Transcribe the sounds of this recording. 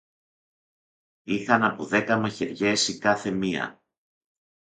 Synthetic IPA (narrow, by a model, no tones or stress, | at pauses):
ixɐnɐpoðe̞kɐmɐçe̞ɾʝe̞sikɐθe̞miɐ̰